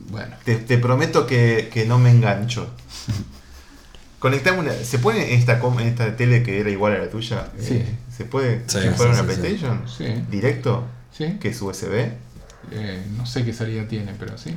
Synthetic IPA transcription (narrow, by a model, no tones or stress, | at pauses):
bwḛnot̪et̪epɾo̞met̪okekenomeːŋɡant͡ʃo | konek̚t̪amna̰sep̬weneʔnes̬t̪akomenest̪at̪elekeeɾaiɣwalalat̪uʃaesisepweðeifaaunaplejt̪ejʃjonsid̪iɾek̚t̪o | sikeesueseβe | enosek̬esaliðat̪jenepeɾo̰si